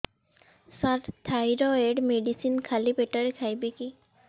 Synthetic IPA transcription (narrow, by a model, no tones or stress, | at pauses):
saɾt̪ʰajɾɔeɖmeɖisinkʰalipeʈaɹekʰajbeki